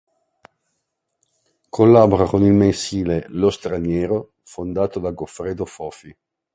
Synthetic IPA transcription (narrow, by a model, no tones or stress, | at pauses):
kʰolːaːboɾakonilmensiːlelost̪ɾanjɛːɾo | fond̪aːt̪od̪aɡofɾeːd̪ofɔːfi